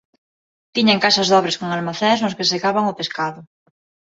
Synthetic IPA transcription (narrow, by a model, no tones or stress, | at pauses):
t̪iɲaŋkasazðɔβɾeskoŋalmaθeŋznʊskeseɣaβaŋʊpeskaðʊ